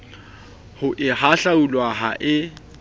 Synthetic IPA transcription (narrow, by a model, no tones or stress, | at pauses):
hʊʔɪhaɬaulwaɦaʔɪ